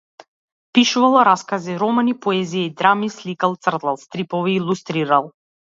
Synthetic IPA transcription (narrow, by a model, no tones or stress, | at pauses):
piʃuvalˠɾaskaziɾɔmanipɔɛzijaid̪ɾamislikalˠt̪sr̩d̪lˠalˠst̪ɾipɔviːlˠust̪ɾiɾalˠ